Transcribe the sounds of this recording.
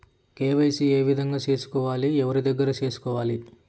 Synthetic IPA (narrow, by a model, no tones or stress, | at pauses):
keːʋɐjsieːʋid̪ʱɐŋɡaːt͡ʃe̞ːsu̥kɔːʋaːliɛʋɐɾid̪ɐɡːɐɾɐt͡ʃe̞ːsu̥kɔːʋaːli